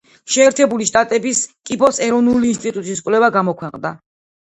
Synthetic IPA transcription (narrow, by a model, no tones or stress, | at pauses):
ʃɛːɾt̪ʰɛbuliʃt̪ʼat̪ʼɛbiskʼibɔsɛɾɔvnuliːnst̪ʼit̪ʼut̪ʼiskʼwlɛvaɡamɔkʰwɛqʼnd̪a̰